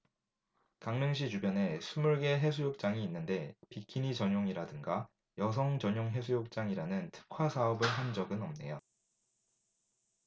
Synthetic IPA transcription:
kaŋnɯŋɕ̬ʰit͡ɕubjʌne̞sʰumuɭɡe̞ɦe̞sʰujok̚t͡ɕ͈aŋiːnːɯnde̞pikʰinit͡ɕʌɲoŋiɾadɯŋɡa | jʌs̬ʰʌŋt͡ɕʌɲjoŋɦe̞s̬ʰujok̚t͡ɕ͈aŋiɾanɯntʰɯ̥kʰwasʰaʌbɯɭɦand͡ʑʌɡɯnʌmne̞̰jo

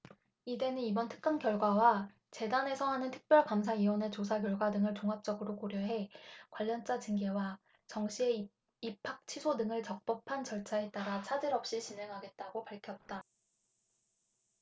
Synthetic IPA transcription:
ide̞nɯnibʌntʰɯ̥k̚k͈ankjʌɭɡwawa | t͡ɕe̞dane̞sʰʌɦanɯntʰɯ̥k̚p͈jʌɭkamsʰaiwʌne̞t͡ɕosʰakjʌɭɡwadɯŋɯɭt͡ɕoŋɦap̚t͡ɕ͈ʌɡɯɾokoɾjʌɦe̞kwaʎːʌnt͡ɕ͈at͡ɕɯŋɡe̞wa | t͡ɕʌŋɕʰie̞ | ipʰak̚t͡ɕʰisʰodɯŋɯɭt͡ɕʌk̚p͈ʌpʰant͡ɕʌɭt͡ɕʰae̞t͈aɾat͡ɕʰad͡ʑiɾʌp̚ɕ͈it͡ɕinɦe̞ŋɦaɡe̞t̚t͈aɡopaɭkʰjʌp̚t͈a

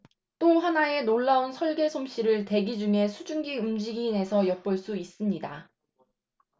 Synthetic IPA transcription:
t͈oɦanae̞noɭːaunsʰʌɭɡe̞sʰomɕ͈iɾɯɭte̞ɡid͡ʑuŋe̞sʰud͡ʑuŋɡiund͡ʑiɡiːne̞sʰʌjʌp̚p͈ʌɭs͈uis͈ɯmɲida

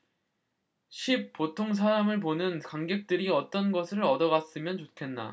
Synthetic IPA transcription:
ɕʰip̚p͈otʰoŋs̬ʰaɾamɯɭp̬onɯnkaŋɡe̞k̚t͈ɯɾiʌt͈ʌnɡʌsʰɯɾʌdʌɣas͈ɯmjʌnt͡ɕokʰe̞nːa̰

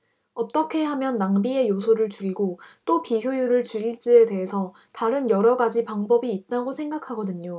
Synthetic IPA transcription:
ʌt͈ʌkʰe̞ɦamjʌnːaŋbie̞josʰoɾɯɭt͡ɕuɾiɡot͈opiçjojuɾɯɭt͡ɕuɾiɭt͡ɕ͈ie̞de̞ɦesʰʌ | taɾɯnjʌɾʌɡad͡ʑipaŋbʌbiːt̚t͈aɡosʰe̞ŋɡakʰaɡʌdɯɲo

